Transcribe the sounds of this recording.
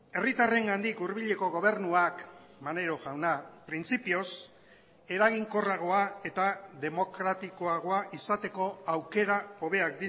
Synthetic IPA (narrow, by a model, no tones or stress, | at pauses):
e̞rit̪are̞ŋɡand̪ikuɾβ̞iʎe̞ko̞ɣ̞o̞β̞e̞ɾnuakmane̞ɾo̞ʝawnapɾint͡sipio̞s | e̞ɾaɣ̞iŋko̞raɣ̞o̞ae̞t̪aðe̞mo̞kɾat̪iko̞aɣ̞o̞aʔisat̪e̞ko̞awke̞ɾao̞β̞e̞ak̚d̪i